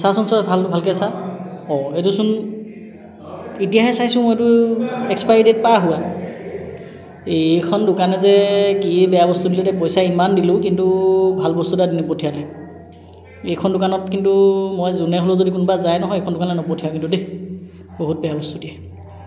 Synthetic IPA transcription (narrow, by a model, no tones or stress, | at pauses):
sasɔnsɔbʱalbʱalkɛsaɔetusun | itijaɦɛsajsʊ̃mojetuɛkspajdet̚paɦʊwa | ekʰɔndʊkanɛzɛkibɛjabɔst̪udilɛtɛpɔjsaimandilʊkintubʱalbɔst̪utadinɔpotʰijalɛ | ejkʰɔndʊkanɔtkintumojzunɛɦolʊzodik̬unubazajnɔɦɔjekʰɔndʊkanlɛnɔpotʰijakintude | boɦut̚bɛjabɔstudiɛ